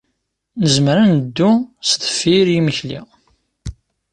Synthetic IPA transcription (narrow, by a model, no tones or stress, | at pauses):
nəzməɾænəd̪ːust̪ə̥fːiɾjiməçlḭ